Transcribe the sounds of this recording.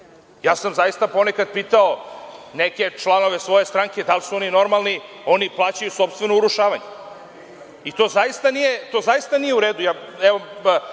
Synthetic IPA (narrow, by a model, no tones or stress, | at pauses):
jaːsamzajist̪apo̞ne̞kad̪̚piːt̪aone̞ke̞t͡ʃlˠano̞ʋe̞sʋo̞je̞st̪ɾaŋke̞d̪alsuo̞nino̞ɾmalˠni | o̞niplˠaːt͡ɕajuso̞pst̪ʋe̞nouɾuʃaːʋaɲe | it̪o̞ːzajist̪anijet̪o̞zaist̪anije̞uɾeːd̪ujaːɛʋo